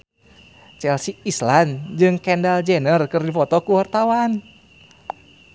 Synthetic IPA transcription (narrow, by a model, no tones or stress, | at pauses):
t͡ʃɛlsiisland͡ʒɨŋkɛndald͡ʒɛnərkɨrdifɔt̪ɔkuwart̪awan